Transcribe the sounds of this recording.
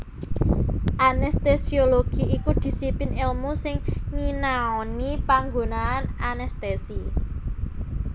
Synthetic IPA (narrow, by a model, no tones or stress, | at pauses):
ʔanɛst̪esioloɡ̥iikud̪̥i̤sipɪnɪlmusɪŋŋinaɔnipaŋɡonaːnanɛst̪esi